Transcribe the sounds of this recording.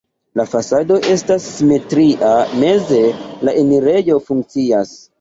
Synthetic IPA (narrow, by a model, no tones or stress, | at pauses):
lafasado̞ʔe̞stasːime̞tɾiʔame̞ze̞laʔemiɾe̞jo̞fuŋk̚t͡sias